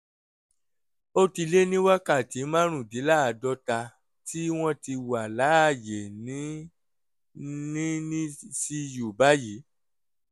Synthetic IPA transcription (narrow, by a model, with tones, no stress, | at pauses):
o˦ti˧le˦nĩ˦wa˦ka˦˨ti˨˦mã˦ɾ̃ũ˦˨di˨˦la˦a˨dɔ˧˦ta˧ | ti˦w̃ɔ̃˦ti˧wa˨la˨˦a˦˨je˨nĩ˨˦ | nĩ˦nĩ˦si˧ju˨ba˦ji˨˦